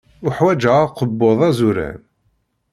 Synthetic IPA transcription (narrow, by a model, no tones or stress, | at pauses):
ʊħwæd͡ʒæqəbːoðˤæzuɾæ̰n